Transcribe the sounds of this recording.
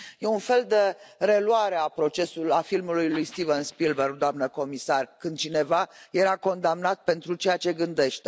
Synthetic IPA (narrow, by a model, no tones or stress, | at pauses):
je̞unfe̞ld̪eɾe̞lwaɾeapɾo̞t͡ʃe̞sulafilmulujlujst̪ivənspilberd̪oamnəko̞misarkɨnd̪̚t͡ʃine̞vaje̞ɾako̞nd̪amnat̪̚pe̞nt̪ɾut͡ʃe̞jat͡ʃe̞ɡɨnd̪e̞ʃt̪e